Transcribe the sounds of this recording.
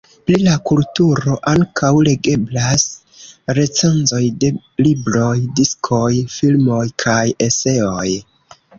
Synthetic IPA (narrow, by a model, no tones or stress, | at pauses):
plilakultuɾo̞ʔaŋkawle̞ɡe̞blas | ɾe̞t͡se̞nzo̞jde̞ | libɾo̞jdiskʰo̞jfilmo̞jkʰaje̞se̞oj